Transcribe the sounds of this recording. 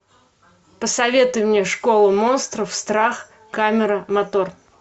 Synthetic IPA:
pəsɐvʲe̞t̪ʊjmnʲeʂko̞lˠʊmo̞nst̪ɾəfst̪ɾax | kamʲɪɾəmɐt̪o̞r

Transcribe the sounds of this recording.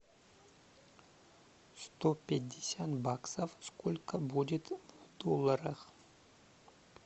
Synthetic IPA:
st̪opʲɪdʲːɪsʲat̪baksəfskolʲkəbudʲɪt̪vd̪olˠːɐɾɐχ

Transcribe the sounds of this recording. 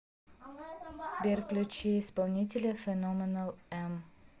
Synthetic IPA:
sbʲerklʲut͡ɕeɪspɐlˠnʲit̬ʲɪlʲəfʲɛnomʲɪnəlˠɛm

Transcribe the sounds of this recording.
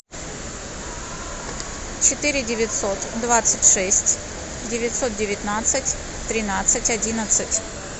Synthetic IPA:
t͡ɕɪt̪ɨɾʲɪdʲɪvʲɪt̪ʲso̞t̪d̪vat̪sɨtʲʂɛsʲtʲ | dʲɪvʲɪtʲso̞t̪̚dʲɪvʲɪt̪ʲnat̪sɨtʲ | t̪ɾʲɪnat̪sɨtʲɐdʲinət̪sɨtʲ

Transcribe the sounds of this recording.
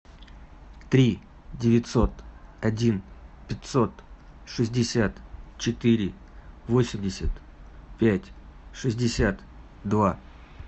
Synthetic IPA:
t̪ɾʲi | dʲɪvʲɪt̪ʲso̞t̪ɐdʲinpʲɪt̪ʲso̞t̪ʂɨzʲdʲɪsʲat̪t͡ɕɪt̪ɨɾʲɪ | vo̞sʲɪmʲdʲɪsʲət̪ | pʲætʲʂɨzʲdʲɪsʲat̪ | d̪va

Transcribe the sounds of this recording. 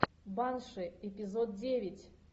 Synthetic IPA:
banʂɨɛpʲɪzod̪̚dʲevʲɪtʲ

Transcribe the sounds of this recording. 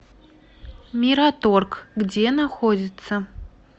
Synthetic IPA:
mʲiɾat̪orkɡd͡zʲenaxodʲɪt̪sɐ

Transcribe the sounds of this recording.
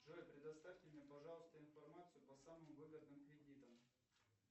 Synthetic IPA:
ʐɨajpɾʲɪd̪ɐst̪afʲtʲɪmʲnʲepɐʐɑlˠəst̪əɪnfɐrmat̪sɨjʊpɐsamɨmʊvɨɡəd̪̚nɨmkɾʲɪdʲit̪əm

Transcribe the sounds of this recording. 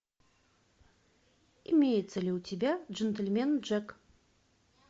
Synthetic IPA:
ḭmʲejt̪selʲet̪ʲebʲæʒent̪ʲelʲmʲenʒek

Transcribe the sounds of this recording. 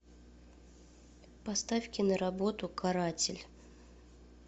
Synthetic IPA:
pɐst̪afʲkʲɪnəɾɐbo̞t̪ʊkʰaɾatʲɪlʲ

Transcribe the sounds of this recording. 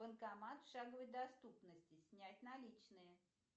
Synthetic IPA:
ənkɐmat̪fʂaɡəvəjʲd̪ɐst̪upnəsʲtʲɪsʲnʲætʲnɐlʲit͡ɕnɨjə

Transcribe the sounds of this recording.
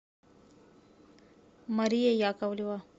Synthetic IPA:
mɐɾijejaːkawliwa

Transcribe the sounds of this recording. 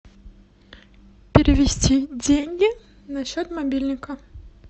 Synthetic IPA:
pʲɪɾʲɪvʲɪsʲtʲidʲenʲɡʲɪ | nɐɕːot̪mɐbʲilʲnʲɪkə

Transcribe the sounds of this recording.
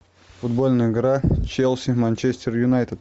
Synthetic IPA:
fʊd̪bolʲnɨjəɡɾat͡ʃelʲˠsʲimanʲt͡ʃesʲt̪ʲeɾjʊnajt̪ʲəd̪

